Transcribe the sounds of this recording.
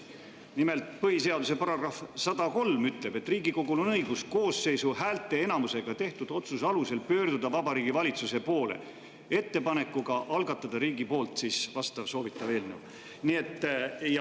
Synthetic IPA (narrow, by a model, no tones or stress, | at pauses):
nime̞lt̪ˑpɤɦise̞ɑd̪use̞pɑɾɑɡrɑfsɑd̪̥ɑko̞lmyt̪le̞b̥e̞t̪ːˑriːɡiko̞ɡ̥ulo̞nɤjɡ̥usko̞ːsːe̞jsuhæːlt̪ˑːe̞e̞nɑmuse̞ɡ̥ɑt̪e̞ht̪ud̪̥o̞t̪susɑluse̞lpø̞ːrd̪ud̪̥ɑvɑbɑɾiːɡivɑlʲit̪suse̞po̞ːle̞̰ | e̞t̪ːe̞pɑne̞kːˑuɡ̥ɑʔɑlɡɑt̪ːˑɑd̪̥ɑɾiːɡipo̞ːlt̪siːsvɑst̪ɑvso̞ːvit̪ːˑɑve̞ːlnuw | nie̞t̪ˑːj